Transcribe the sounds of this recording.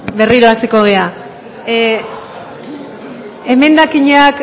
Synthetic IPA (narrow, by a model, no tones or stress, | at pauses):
be̞riɾo̞ast̪eko̞ɣ̞e̞a | eme̞nd̪akiɲak